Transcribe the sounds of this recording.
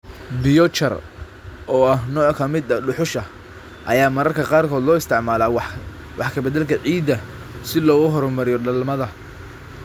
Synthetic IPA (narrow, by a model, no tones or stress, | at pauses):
bɪjɔt͡ʃɐ̰r | ʔɔːɐhnɔːkʰɐmɪd̪ɐɖʊħʊʃɐ | ʔɐjaːmɐɾɐrkʰɐqɑːrkʰɔːd̪lɔːɪst̪ʰɪʕmaːlaː | wʔɑħkʰɐbɐd̪ɐlkʰɐʕiːd̪ːɐ | sɪlɔːɣʊɦɔɾɔmɐɾɪjɔɖɐlmɐðɐ